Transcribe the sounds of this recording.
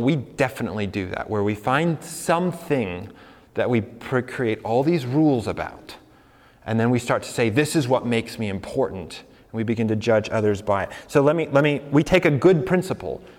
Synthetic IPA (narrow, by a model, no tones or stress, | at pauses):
widɛfənə̰tˡlidɨðæ̰ʔwʔə˞wifãɪ̃nd̥sʌ̃mθɪ̃ŋ | ðɨʔ̚wipʰɹ̥ikʰɹ̥ieɪɾɔlˠðizɹulˠzəba̰ʊɾ | ʔɨ̰̃nðɨ̃nwistɑɹtʰɨ̥seɪðɪsɨzwʌt̚meɪksmiɨ̃mpʰɔɹʔn̩t | nwibɨɡɪ̃ntʰɨd͡ʒʌd͡ʒʌ̰ðə˞zbaɪɨt̚soʊlɛt̚milɛt̚miwitʰeɪkɨɡʊd̚pʰɹ̥ɪ̃nsəpl̩ˠ